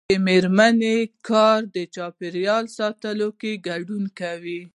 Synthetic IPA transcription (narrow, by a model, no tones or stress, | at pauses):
əmeɾmanekʰɑɾd̪ət͡ʃɑpeɾjɑlsɑt̪əlokeɡaɖunkawi